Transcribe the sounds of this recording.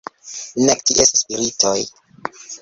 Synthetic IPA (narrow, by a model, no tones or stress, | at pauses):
nektiʔesaspiɾitoj